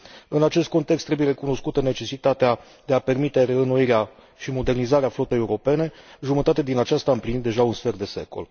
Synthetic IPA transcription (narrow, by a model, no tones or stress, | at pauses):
ɨnat͡ʃe̞st̪̚ko̞nt̪ekst̪ɾebujeɾe̞kuno̞skut̪əne̞t͡ʃe̞sit̪at̪ea | d̪̥e̞ape̞rmit̪e̞reəno̞iɾea | ʃimo̞d̪e̞rnizaɾeaflo̞t̪eje̞uɾo̞pe̞ne̞ʒumət̪at̪ed̪inat͡ʃast̪aɨmplinit̪d̪e̞ʒaunsfe̞rd̪e̞se̞ko̞̰l